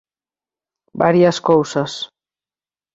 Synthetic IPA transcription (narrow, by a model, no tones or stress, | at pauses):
baɾiaskowsas